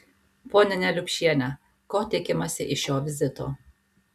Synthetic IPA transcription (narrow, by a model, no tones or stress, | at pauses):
poːnʲɪnʲɛlʲʊkʲʃʲiɛnʲɛ | koːt̪ʲɪkʲɪmɐsʲɪʔɪʃjoːʋʲɪzʲɪt̪o̰ː